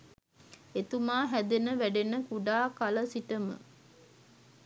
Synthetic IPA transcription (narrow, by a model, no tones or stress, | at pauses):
et̪umaːɦæd̪enəʋæɖenəkuɖaːkaləsiʈəmə̰